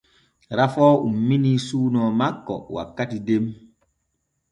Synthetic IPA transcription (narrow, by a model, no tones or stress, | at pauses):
ɾafɔumːinisuːnɔːmakːɔ̰wa̰kːatidem